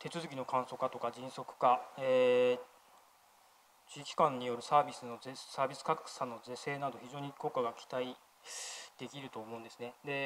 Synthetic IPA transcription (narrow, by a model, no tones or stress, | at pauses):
t̪ʰe̞t͡sɨzɨk̬ʲino̞kãɰ̃so̞kat̪o̞kad͡ʑĩso̞kɯ̟̥kaeː | t͡ɕiːkʲi̥kãɲ̟ːijo̞ɾɯ̟saːbʲisɨno̞esaːbʲisɨ̥kakksãnːo̞ze̞se̞ːnad̪o̞çiʑo̞ːɲ̟iko̞ːkːaɡakʲi̥t̪ai | d̪̥e̞kʲiɾɯ̟t̪o̞ːmoɯ̃nd̪e̞sɨne̞d̪e̞